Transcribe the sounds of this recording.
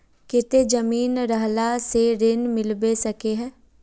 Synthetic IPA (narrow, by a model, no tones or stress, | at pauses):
kɪt̪ed͡ʒəmiːnɾəɦlaseɾɪnmɪlbesəkeɦɛ̃ː